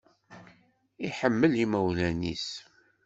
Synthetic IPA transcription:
iħəmːəliməwlænḭs

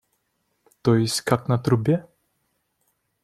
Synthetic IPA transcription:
t̪ɔjɪsʲkaknat̪ɾubʲɛ

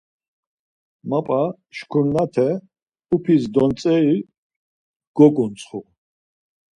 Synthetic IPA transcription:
mapʼa | ʃkʰuɾnat̪ʰɛ | upʰisd̪ɔnt͡sʼɛi | ɡ̥ɔkʼunt͡sʼχu

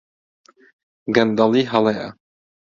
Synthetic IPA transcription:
ɡɐnd̪ɐlˠiːɦɐleʔɐ̰

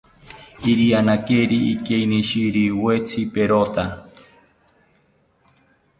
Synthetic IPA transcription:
iɾianakeɾiikeiniʃiɾiwet͡sʰipeɾot̪a

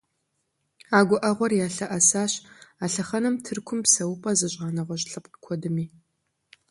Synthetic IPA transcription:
aːɡʷɔʔɐʁʷɔrjaːɬɐʔɐsaːɕaːɬɐχɐnɨmtʰɨrkʷʰʊmpsɐwʊpʼɐzɨɕʁɑːnɐʁʷɔɕɬɐpqkʷʰɔdɨmiː

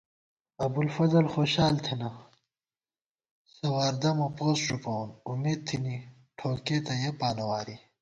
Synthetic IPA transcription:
ɐbulfɐzɐlxoːɕaːlt̪ʰenɐ | sɐwaːɾd̪ɐmɐpoːsʈ͡ʂupɐwunumeːd̪̚t̪ʰini | ʈʰoːkeːt̪ɐjepaːnɐwaːɾi

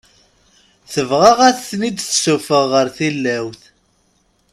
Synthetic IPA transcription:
θəvʁɑʁæθθnid̪θsufəʁːəɾθilːæwθ

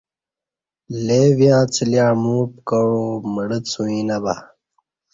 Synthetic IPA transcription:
leːvijãːt͡sʰiljãːmuːp̚kɐɻoməɽət͡sʰũĩːnɐba̰

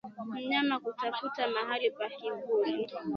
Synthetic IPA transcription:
m̩ɲamakutafutamaɦalipakibuli

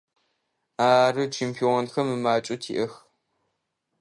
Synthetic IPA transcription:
aːrɨt͡ʃʰeːmpʰionxɐmɨmaːt͡ʃʼʊtʰḭːʔɐx

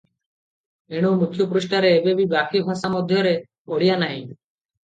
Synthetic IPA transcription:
eɽ̃owmukʰjɔpɔɾisʈaɾeːbebibakibʱasamɔd̪ʱjɔɾe | oɽijanaɦĩ

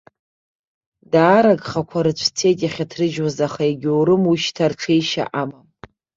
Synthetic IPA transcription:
daːɾaɡʼχakʷʰaɾɨt͡ɕʷʰt͡sʰe̞jtʼjaχʲatʰrɨʒwazaχaaɡʲwɾɨmuʃtʰarʈ͡ʂʰejʃa̰ʔamam

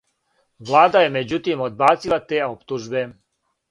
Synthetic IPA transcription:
ʋlˠaːd̪aje̞me̞d͡ʑut̪imod̪̚baːt̪silˠat̪eːo̞pt̪uʒbe̞

